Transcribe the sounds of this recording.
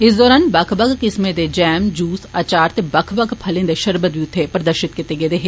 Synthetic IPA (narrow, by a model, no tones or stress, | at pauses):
ɪsd̪ɔːɾaːnbɐkʰbɐkkɪsmẽd̪ed͡ʒɛːmd͡ʒuːsɐːt͡ʃaːɾt̪ebɐkʰbɐkʰpʰɐlẽnd̪eʃɐɾbət̪̚biʊt̪ʰːepɐɾɐd̪əɾʃɪt̪̚kɪt̪eɡeːd̪eɦe